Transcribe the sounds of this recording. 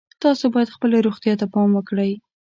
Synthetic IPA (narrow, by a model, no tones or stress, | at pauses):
t̪ɑsobɑjad̪xpəlaɾoxt̪jɑt̪apɑmwəkɽəj